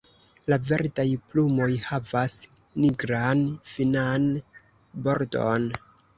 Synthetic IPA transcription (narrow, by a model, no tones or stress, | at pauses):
lave̞ɾtajplumo̞jhavas | niɡɾanfinan | bo̞ɾdo̞̰n